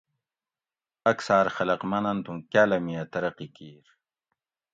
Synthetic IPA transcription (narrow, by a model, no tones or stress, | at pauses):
ɐksaːɾxɐlɐqmɐnɐnt̪ũkjaːlɐmiɐt̪ɐɾɐqikiːɾ